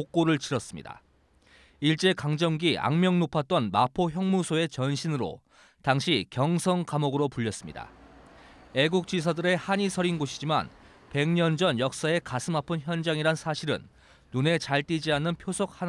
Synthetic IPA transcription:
ok͈̚oɾɯɭt͡ɕiɾʌs͈ɯmɲḭda̰ | iɭt͡ɕ͈e̞kaŋd͡ʑʌŋɡia̰ŋmjʌŋnopʰat̚t͈ʌnmapʰoçjʌŋmusʰoe̞t͡ɕʌnɕʰinɯɾo̰ | taŋɕʰikjʌŋsʰʌŋkamoɡɯɾopuʎːʌs͈ɯmɲḭda̰ | e̞ɡuk̚t͡ɕ͈ɥis̬ʰadɯɾe̞haɲisʰʌɾinɡoɕʰid͡ʑima̰n | pe̞ŋɲʌnd͡ʑʌnjʌk̚s͈ae̞kasʰɯmapʰɯnçjʌnd͡ʑaŋiɾansʰaɕʰiɾɯ̰nː | une̞t͡ɕaɭt͈id͡ʑianːɯnpʰjosʰok̚ha

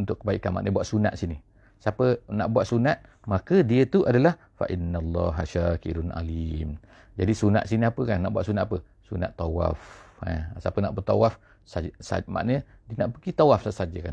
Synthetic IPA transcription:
unt̪ʊʔkːəbaiʔkanma̰ʔnəbuaʔsuna̰t̪sini | sapəna̰ʔbuaʔ̪sunat̪̚ | makədiət̪uʔadalah | fa̰ʔinːalˤːɑ̰ɦaʃakiɾʊnʔa̰lim | d͡ʒadisuna̰t̪ʔsiniapəkanːaʔbuaʔsunat̪apə | suna̰t̪ːawa̰fa̰sapənaʔbərt̪awaf | sasa̰ma̰ʔnədiənaʔpəɡit̪awafsasad͡ʒəkan

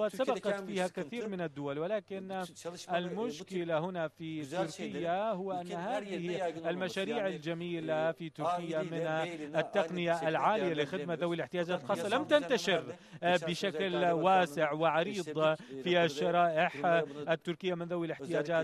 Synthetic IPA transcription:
aːt̪sabɑqɑt̪fiːhakɪθiːɾmɪnad̪ːʊwalwɪlaːkɪnʔɪlmʊʃkɪlahʊnafit̪ːʊɾkɪjːahʊwːaʔanːɦhaːðɪhʔalmaʃaːɾiːʕald͡ʒamiːlafit̪ːʊɾkɪjːamɪnʔɪt̪ːaqnɪjaʔlʕaːlɪjalɪxɪd̪maðawːilɪħt̪ɪjaːd͡ʒaːt̪lxɑːsˤːɑlamt̪ant̪aʃɪɾbɪʃaklwaːsɪʕwɪʕɑɾiːd̪ˤfiʔaʃːɑɾˤɑːʔɪħʔɪt̪ːʊɾkɪjːamɪnðawɪlɪħt̪ɪjaːd͡ʒaː

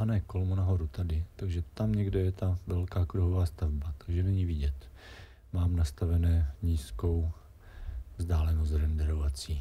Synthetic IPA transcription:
anɛːkolmonaɦo̞ɾut̪adɪt̪aɡʒɛt̪amɲɛɡdɛjɛt̪avɛlkaːkɾuɦovaːst̪avbat̪aɡʒɛnɛɲivɪɟɛt̪ | maːmnast̪avɛnɛːɲiːsko̞w | vzdaːlɛnost̪ɾɛndɛɾovat͡siː

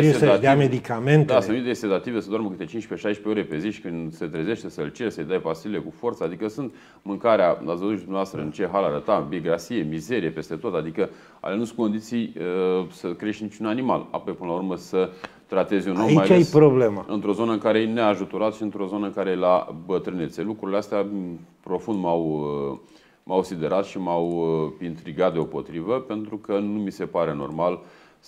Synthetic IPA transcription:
eɾieatd̪eamed̪ikamentd̪asənit̪est̪et̪at̪ivesɨnd̪oaɾməkɨt̪e̞t͡ʃint͡ʃʲpe̞ʃajʃpe̞o̞ɾe̞pe̞ziʃi̥kɨnd̪se̞t̪ɾe̞ze̞ʃt̪esəɨlt͡ʃe̞ɾsəjd̪ajpasilile̞kufo̞rt̪səad̪ikəsunt̪ | mɨŋkaɾealazvəzuid̪umneast̪ɾəɨnt͡ʃe̞ɦalaɾət̪abieɡɾasije̞mize̞ɾije̞pest̪e̞t̪o̞t̪ad̪ikə | a̰lenusu̥ko̞nd̪it̪sijsəkɾeʃt̪nit͡ʃunanima̰la̰po̞jpɨnəlaurməsə | t̪ɾat̪e̞zʲunomimajalaeespɾoblemaɨ̰nt̪ɾo̞zo̞nəɨŋkaɾejeneaʒut̪oɾat̪ʃiɨnt̪ɾo̞zo̞nəɨŋkaɾela̰bət̪ɾɨnit̪se̞lukɾuɾileast̪eapɾo̞fund̪maw | mawsid̪e̞ɾʔat̪ʃimawint̪ɾiɡat̪̚d̪eo̞po̞t̪ɾivəpe̞nt̪ɾukənumise̞paɾe̞no̞̰rmal

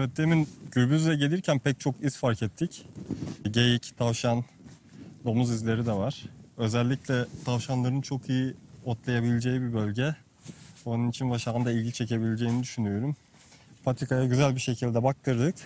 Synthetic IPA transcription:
ɛvɛt̪̚d̪eminɟ̥yɾbyzzɛɟe̞lʲiɾcʰænpʰɛc̚t͡ʃʰokiz̥faɾcʰɛt̪ʰːic | ɟejict̪ʰavʃan | d̪o̞muzizlʲe̞ɾid̪ɛvaɾ̥ø̞zɛlʲːiclʲɛt̪ʰavʃanlˠaɾɯnt͡ʃʰo̞kʰijiot̪ʰlˠajabilʲed͡ʒe̞jibibø̞lʲɟɛ | onunit͡ʃʰinvaʃaɯnd̪ailʲɟit͡ʃʰe̞ce̞bilʲed͡ʒe̞jinid̪yʃynyjo̞ɾum | pʰat̪ʰikʰajaɟyzælʲbiʃe̞cʰilʲd̪ɛbak̚t̪ʰɯɾd̪ɯk

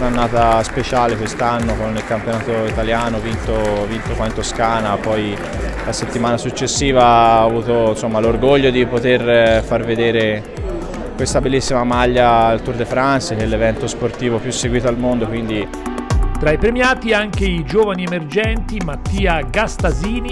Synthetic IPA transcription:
nanːaːt̪aspet͡ʃaːlekwest̪anːokonːilkampjonaːt̪oit̪aljaːnovint̪ovint̪okwaint̪oskaːnapɔj | laset̪ːimaːnasut͡ʃːesːiːvaavuːt̪onsomːalorɡoʎːod̪ipot̪erfarved̪eːɾe | kwest̪abelːisːimamaʎːalt̪urd̪efɾansekɛlːevɛnt̪osport̪iːvopjusːeɡwiːt̪oalmond̪okwind̪i | t̪ɾaipɾemjaːt̪iaŋkeid͡ʒoːvaniemerd͡ʒɛnt̪imat̪ːiːaɡast̪aziːni

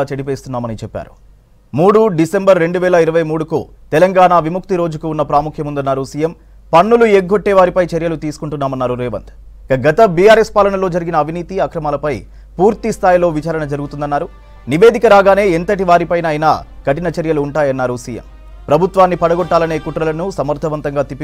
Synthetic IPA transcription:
t͡ʃɐɽipe̞ːst̪unːaːmɐnit͡ʃɛpːa̰ːɾu | muːɽuɖise̞mbɐɾːe̞ɳɖuʋɛːlɐiɾɐʋɐjmuːɽukṵː | t̪ɛlɐŋɡaːɳaʋimuk̚t̪iɾo̞ːd͡ʒukuunːɐpɾaːmukʰjɐmund̪ɐnːaːɾusiːjɐm | pɐnːulueɡʱːoʈːɛːʋaːɾipɐjt͡ʃeɾjɐlut̪iːsu̥kuɳʈunːaːmɐnːaːɾuɾɛːʋɐ̰nd̪ | ikɐɡɐt̪ɐbijaːɾespaːlɐɳɐlo̞ːd͡ʒɐɾiɡinɐːʋʱiniːt̪iɐkɾɐmaːlɐpɐj | puːɾt̪ist̪ʰaːjilo̞ːʋit͡ʃaːɾɐɳɐd͡ʒɐɾuɡut̪und̪ɐnːaːɾu | niʋe̞ːd̪ʱikɐɾaːɡaːne̞ːent̪ɐʈiʋaːɾipɐjnaːjna̰kɐʈinɐt͡ʃɐɾjɐluːɳʈaːjɐnːaːɾusiːjɐ̰m | pɾɐbʱut̪ʋaːnːipɐɽɐɡɔʈːaːlɐneːkuʈɾɐlɐnusɐmɐɾd̪ʰʱɐʋɐnt̪ɐŋɡaːt̪ipːi

